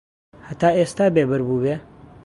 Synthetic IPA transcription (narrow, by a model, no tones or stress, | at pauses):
hɐt̪aːeːst̪aːbeːbɨɾbuːbeː